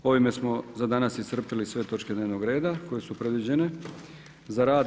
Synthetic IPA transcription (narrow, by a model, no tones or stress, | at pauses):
o̞ʋime̞smo̞zad̪anasist̪r̩pilisʋe̞t̪o̞t͡ʃked̪neʋnoɡɾe̞ːd̪ako̞je̞supɾe̞d̪ʋid͡ʑe̞ne̞ | zaɾaːd̪